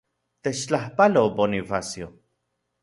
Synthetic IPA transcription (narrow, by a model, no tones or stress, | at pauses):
t̪et͡ʃt͡ɬahpaloponifasjo